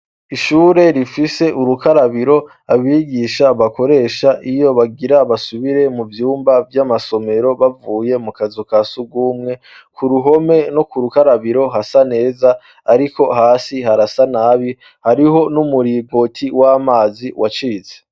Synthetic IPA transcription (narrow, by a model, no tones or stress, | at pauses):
iʃuːɾe̞ɾifise̞ʔuɾukaɾaβiɾo̞ | aβiɡiʃaβako̞ɾe̞ʃaʔijo̞βaɡiɾaβasuβiɾe̞muvjuːmbavjamaso̞me̞ɾo̞βavuːje̞mukazukasuɡuːmŋe̞ | kuɾuɦo̞me̞no̞kuɾukaɾaβiɾo̞ɦasane̞ːza | aɾiko̞haːsihaɾasanaβi | haɾiɦo̞numuɾiɡo̞tʰiwaːmaːziwʔat͡ʃiːze